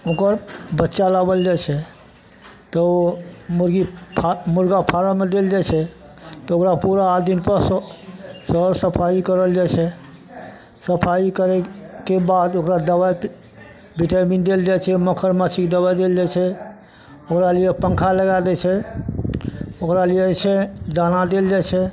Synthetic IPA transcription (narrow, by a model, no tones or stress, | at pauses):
okəɾbətːʃalabəld͡ʒat͡ʃʰɛ | t̪ɔ | muɾɡipʰmuɾɡapʰaɾəmeɖeld͡ʒat͡ʃʰɛ | t̪ɔokɾapuɾaːd̪inpəɾs | səɾsəpʰaikəɾəld͡ʒat͡ʃʰɛ | səpʰaikəɾɛkebad̪okɾad̪əbaj | biʈamindeld͡ʒat͡ʃʰɛməkʰəɾmət͡ʃʰikd̪əbajd̪eld͡ʒat͡ʃʰɛ | okɾaliepəŋkʰaləɡad̪ɛt͡ʃʰɛ | okɾaliɛt͡ʃʰɛd̪anad̪eld͡ʒajt͡ʃʰɛ